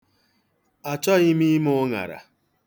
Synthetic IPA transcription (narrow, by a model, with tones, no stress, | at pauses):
a˨t͡ʃɔ˦ɣɪ˦mi˦mʊ˦ŋa̰˨ɾa̰˨